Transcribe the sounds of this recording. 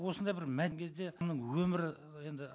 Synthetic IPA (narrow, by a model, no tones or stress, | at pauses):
wo̞sənd̪ɑjbɪɾmæŋkʲʰe̞zd̪e̞mnəɴwɵmɪɾɪ | je̞nd̪ɪ